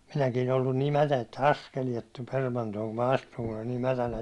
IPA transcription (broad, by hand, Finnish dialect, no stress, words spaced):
minækiːn olːun niː mætæ etːæ ɑskeliet tulʲ permɑntoːŋ kum mɑ ɑstuŋ kun olʲ niː mætænæ